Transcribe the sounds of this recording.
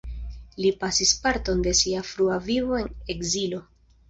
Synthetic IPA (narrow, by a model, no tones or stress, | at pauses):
lipasispaɾto̞nde̞siafɾuavivo̞e̞ne̞kzilo̞